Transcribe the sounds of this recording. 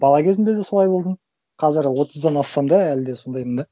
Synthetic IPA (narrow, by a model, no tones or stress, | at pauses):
bɑlˠɑkʲʰe̞zɪnd̪e̞d̪eso̞lˠɑjbo̞lˠd̪əɴ | qʰɑzɪɾwo̞t̪ʰəzd̪ɑnɑst̪ɑmd̪ɑælɪd̪e̞so̞nd̪ɑjmənd̪e